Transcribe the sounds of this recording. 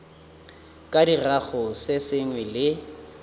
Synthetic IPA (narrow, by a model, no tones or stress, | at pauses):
kʼadiraɣʊsɪsɪŋwɛlɪ